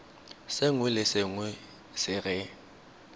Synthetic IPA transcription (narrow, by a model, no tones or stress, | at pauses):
seŋwɪlɪsɪŋwe | sɪɣɪ